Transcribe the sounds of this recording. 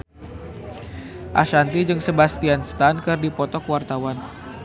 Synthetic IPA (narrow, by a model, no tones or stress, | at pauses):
ʔaʃant̪id͡ʒɨŋsəbast̪ianst̪ankɨrdipɔt̪ɔkwart̪awan